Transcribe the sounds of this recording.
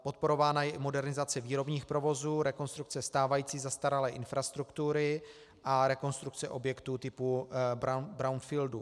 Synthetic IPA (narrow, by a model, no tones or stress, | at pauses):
po̞t̪̚po̞ɾo̞vaːnajɛɪmo̞dɛɾnɪzat͡sɛviːɾo̞bɲiːxpɾo̞vo̞zuːɾɛko̞nst̪ɾuk̚t͡sɛst̪aːvajiːt͡siːzast̪aɾalɛːʔɪnfɾast̪ɾukt̪uɾɪ | ʔaɾɛko̞nst̪ɾukt͡sɛʔo̞bjɛkt̪uːt̪ɪpuabɾawnfildu